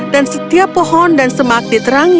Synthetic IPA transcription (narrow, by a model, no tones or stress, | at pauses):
d̥ansət̪iapːɔhɔndansəmak̚dit̪əɾaŋ